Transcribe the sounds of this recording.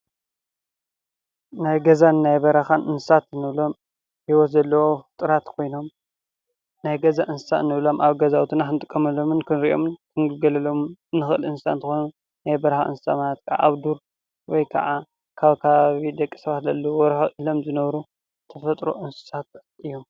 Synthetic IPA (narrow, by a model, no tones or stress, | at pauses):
najɡɐzanɨnajbɐɾɐxanʔɨnsɨsat̪nɨβlo̞m | hiwɔt̪zɐlːɐwofɨt̪ʼɨɾat̪kʰo̞jno̞m | najɡɐzaʔɨnsɨ̥sa̰nɨβlo̞mʔaβɡɐzawt̪ʰɨnaxɨnɨt̪ʼɨkʼːɐmɐlːo̞mɨnkʰɨnɾiʔo̰mɨnkʰɨnɡɨlɡɐlɐlo̞mɨnːɨxɨʔɨlɨnsɨsa̰nt̪ʰɨxojnu | najbɐɾɐxa̰ʔɨ̰nssa̰manat̪̚kʰaʕa̰ʔːβd̪uɾ | wɔjkʰɐ̰ʕa | kʰaβkʰaβaβid̪ɐkʼːi̥sɐβat̪zɐlːɐwwɔɾxɐʔilo̞mzɨnɐβɾu | t̪ʰɐfɐt̪ʼɾo̞̰ʔɨnsɨ̥sat̪ | ʔɨjːom